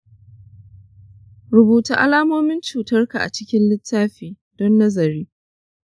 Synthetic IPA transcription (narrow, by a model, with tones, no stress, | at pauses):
ɾʊ˨buː˨ta˨ʔa̰˦laː˦moː˦mɪ˦nt͡ʃuː˨tɐ˦rka˨ʔa̰˨t͡ʃɪ˦kʲɪ˦nlɪ˦tːaː˦ɸiː˨ | dɔ˦nːɐ˦zɐ˨ɾiː˦